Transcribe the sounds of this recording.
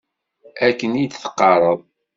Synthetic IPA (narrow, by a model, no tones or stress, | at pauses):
ækːənid̪θə̥qːɑɾˤəðˤ